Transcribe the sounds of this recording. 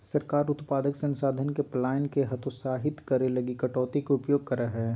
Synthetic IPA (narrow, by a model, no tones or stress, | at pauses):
sɐɾkaːɾʊt̪paːd̪əksɐ̃nsaːd̪ʱənkeplaːɪnkeɦɐt̪ʊsaːɦɪt̪kɐɾelɐɡikɐʈɔːt̪ikoʊpjoːɡ̚kɐɾəɦɛː